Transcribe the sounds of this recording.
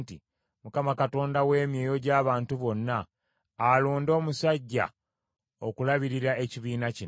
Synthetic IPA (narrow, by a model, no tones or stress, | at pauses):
ti | mukamakato̞ːndawe̞ːmje̞ːjo̞ɟaːβaːntuβo̞nːaː | loːndo̞ːmusaɟːa̰ | o̞kulaβiɾiɾae̞ciβiːnaci